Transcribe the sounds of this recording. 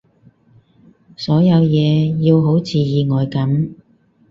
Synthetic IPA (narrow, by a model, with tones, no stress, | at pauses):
sɔː˨˥jɐ˨˧wjɛː˨˧jiː˧wɦo˨˥wt͡sʰiː˨˧jiː˨˧ŋɔː˨jkɐ˨˥m